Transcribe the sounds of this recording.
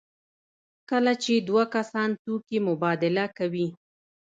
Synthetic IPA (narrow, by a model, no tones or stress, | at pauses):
kəlat͡ʃed̪wakasɑnt̪ukimʊbɑd̪ɪlakawi